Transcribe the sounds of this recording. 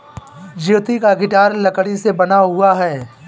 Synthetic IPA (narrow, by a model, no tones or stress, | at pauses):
d͡ʒit̪ikaɡɪʈaːɾlɐkɽisebɐnaɦʊaɦɛː